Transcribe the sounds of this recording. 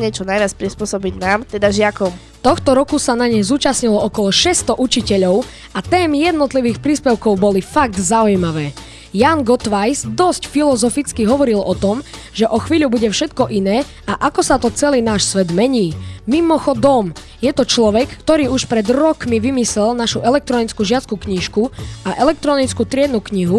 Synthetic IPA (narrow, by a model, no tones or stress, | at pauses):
ɲɛt͡ʃɔnajʋɪat͡spɾispʊɔsɔbiɟnaːmt̪ɛd̪aʒɪakɔm | t̪ɔxt̪ɔɾɔkusanaɲɛzuːt͡ʃasɲilɔʔɔkɔlɔʃɛst̪ɔʔut͡ʃicɛʎɔʊ | ʔat̪ɛːmijɛd̪nɔt̪liʋiːxpɾiːspɛʊkɔʊbɔlifaɡ̚d̪zaujmaʋɛː | jaːnɡɔt̪ʋajzd̪ɔscfilɔzɔfit͡skiɦɔʋɔɾilɔt̪ɔm | ʒɛʔɔxʋiːʎubuɟɛfʃɛt̪kɔʔinɛː | aʔakɔsat̪ɔt͡sɛliːnaːʃsʋɛd̪mɛɲiːmimɔxɔd̪ɔm | jɛt̪ɔt͡ʃlɔʋɛkːt̪ɔɾiːuʃpɾɛd̪ɾɔkmiʋimislɛlnaʃuʔɛlɛk̚t̪ɾɔnit͡skuʒɪat͡skukɲiʃkuaʔɛlɛk̚t̪ɾɔnit͡skut̪ɾɪɛd̪nukɲiɦu